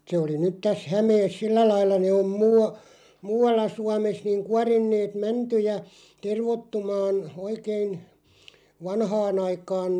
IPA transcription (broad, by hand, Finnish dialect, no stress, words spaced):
se oli nyt tæs hæmeːs silːæ lɑilːɑ ne om muːɑ muːɑlːɑ suɑmes niŋ kuɑrinːeːt mæntyjæ terʋotːumɑːn oikein ʋɑnhɑːn ɑikɑːn